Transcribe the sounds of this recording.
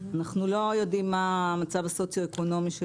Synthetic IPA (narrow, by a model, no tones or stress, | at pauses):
anaχnulo̞jo̞dimːamat͡savaso̞t͡sjoeko̞no̞miʃe